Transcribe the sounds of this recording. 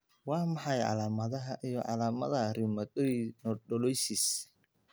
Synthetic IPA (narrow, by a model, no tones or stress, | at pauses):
wɑːmɑħɑjʕɑ̰laːmɐðɐɦɐʔijɔʕɑlaːmɐðɐrɪmɐɔnɔɗɔlɔjsis